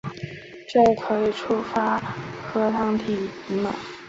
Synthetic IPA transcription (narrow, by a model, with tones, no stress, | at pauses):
t͡ɕo˥˩ʊkʰɤ˧˥i˨˩ʈ͡ʂʰu˥fa˥kʰɤ˥t̪ʰɑ˥ŋt̪ʰi˧˨˩i˧˥mə̰˨˩